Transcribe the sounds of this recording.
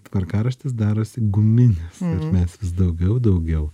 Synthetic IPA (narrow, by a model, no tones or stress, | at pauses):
t̪ʋɐɾkɑːɾɐʃʲt̪ʲɪs̬d̪ɑːɾoːsʲɪɡʊmʲɪnʲɪsɐʃmʲɛsʋʲɪsd̪ɐʊɡʲɛʊd̪ɒʊɡʲɛʊ